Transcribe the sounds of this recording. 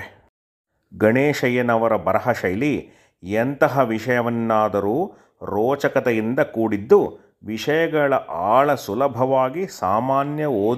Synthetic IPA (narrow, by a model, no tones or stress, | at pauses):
ɡɐɳeːʃɐjɐnɐʋɐɾɐbɐɾɐɦɐʂɐjli | ent̪ɐɦɐʋiʂɐjɐʋɐnːaːd̪ɐɾuː | ɾɔːt͡ʃɐkɐt̪ɛjind̪ɐkuːɽid̪ːu | ʋiʂɐjɐɡɐɭɐʔaːɭɐsulɐbʱɐʋaːɡisaːmaːnjɐoː